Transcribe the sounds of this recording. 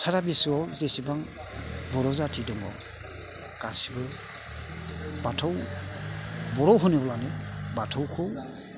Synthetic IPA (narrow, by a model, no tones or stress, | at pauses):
tʰaɾabisuwɔwzesibaŋ | bɔɾɔzatʰidɔŋɡɔ̰ | kasibɯ | batʰɔw | bɔɾɔwɦɔnibɔlanɯbatʰɔwkʰɔw